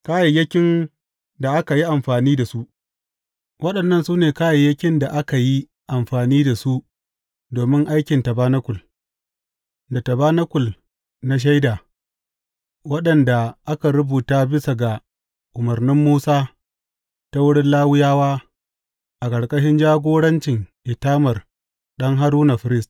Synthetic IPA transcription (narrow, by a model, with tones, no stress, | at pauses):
kaː˦ja˨jɐ˦kʲɪ˦n | da˨ʔa˦ka˨ji˦ʔa˨mɸaː˨niː˦da˨su˦ʔ | wɐ˦ɗɐ˨nːɐ˦nsuː˦neː˨kaː˦ja˨jɐ˦kʲɪ˦nda˨ʔa˦ka˨ji˦ | ʔa˨mɸaː˨niː˦da˨su˦ʔ | doː˨mɪ˦ŋʔa˦jkʲɪ˨ntɐ˨baː˦nɐ˦kʷʊ˨l | da˨tɐ˨baː˦nɐ˦kʷʊ˨l | na˦ʃ̬a˦jdaː˨ | wɐ˦ɗɐ˨nda˨ʔa˦ka˨ɾʊ˦buː˨taː˦bɪ˦sa˨ɡa˨ | ʔʊ˨mɐ˨rnɪ˦mːuː˦saː˦ | ta˦wʊ˦ɽɪ˦nlaː˦wɪ˦jaː˦waː˦ | ʔa˨kʼɐ˨ɽkʼɐ˦ʃ̬ɪ˦nd͡ʒaː˦ɡʷoː˦ɽɐ˦nt͡ʃɪ˨ŋʔɪ˨taː˦mɐ˨r | ɗɐ˦ŋɦa˦ɾuː˦na˨ɸɪ˨ɾɪ˦st